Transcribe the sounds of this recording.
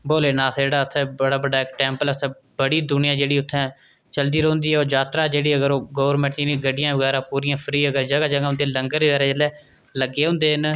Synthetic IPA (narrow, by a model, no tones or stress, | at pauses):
boːleːnãːsd͡ʒeːɽaːət̪ʰːɛbəɽaːbəɖaːɪkʈɛ̃ːmpələt̪ʰːɛ̃ː | bəɽiːd̪ʊnɪjãːd͡ʒeːɽiːʊt̪ʰːɛ̃ː | t͡ʃəld̪iːɾõːnd̪iːɛːoːd͡ʒaːt̪ɾaːd͡ʒeːɽiːəɡəɾoːɡoːʋəɾmɛ̃ːɳʈiːnĩːɡəɖɪjãːʋəɣɛːɾãːpuːɾiːjãːpʰɾiːəɡəɾd͡ʒəɡaːd͡ʒəɡaːʊ̃nd̪eːləŋɡəɾʋɛːɾɛːd͡ʒelɛː | ləɡeːɦʊ̃ːnd̪eːn